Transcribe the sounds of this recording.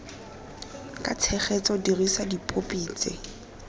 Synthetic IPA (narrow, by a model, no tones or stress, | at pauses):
kʼat͡sʰɛχɛt͡sʼɔdirisadipʼopʼiːt͡sʼḛ